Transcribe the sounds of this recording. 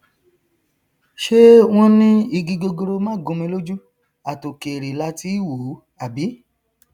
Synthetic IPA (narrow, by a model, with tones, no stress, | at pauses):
ʃe˦w̃ɔ̃˦nĩ˦i˧˨ɡĩ˧ɡo˧ɡo˧ɾo˧mãː˦ɡũ˧mĩ˧˦lo˦d͡ʒu˦ | a˨to˨ke˨ɾe˨la˦˧ti˦wu˨˦ | a˨bi˨˦